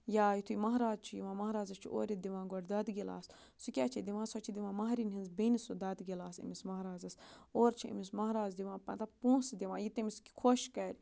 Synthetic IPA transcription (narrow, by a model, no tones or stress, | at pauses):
jaːjit̪ʰujmɐɦɾaːzt͡ʃʰujiʋãːmɐɦɾaːzɐst͡ʃʰṵʔo̰ːɾʲit̪̚d̪iʋãːɡoɾʲd̪ɐd̪ɡila̰ːs | sukʲaːt͡ʃʰid̪iʋãːsot͡ʃʰid̪iʋãːmɐɦɾinɦinzbenisud̪ɐd̪ɡilaːsḭmismɐɦɾaːzɐsoːɾt͡ʃʰiḭmismɐɦɾaːzd̪iʋãːpɐ̰t̪ɐpũːsd̪iʋãːjit̪emiskʲi̥kʰoʃkɐɾʲ